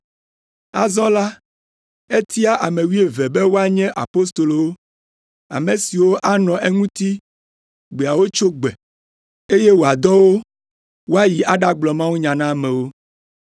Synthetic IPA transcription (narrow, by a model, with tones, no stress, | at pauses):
a̰˨zɔ̃˦la˦ | e˦t̪i˦a˦ʔa˨mẽ˨wi˦e˨vɛ˨bɛ˦wo˦a˦ɲɛ̃˦ʔa̰˨po˦s̬t̪o˨lo˨wo˦ | a̰˨me˨si˨wo˦ʔa˦nɔ̃˨ʔɛ˦ŋũ˦t̪i˦ | ɡ͡be˨a˨wo˦t͡ʃo˦ɡ͡bɛ˨ | e˦je˦wo˨a˨d̪ɔ˦wo˦ | wo˦a˦ji˨ʔa˦ɖa˦ɡ͡blɔ˨mã˦wu˦ɲã˨nã˦˨mɛ̃˨wo˦